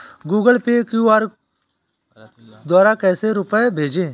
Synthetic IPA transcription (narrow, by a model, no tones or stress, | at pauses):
ɡuːɡəlpeːkjuaːɾ | d̪waːɾakɛːseɾʊpɛbʱeːd͡ʒẽː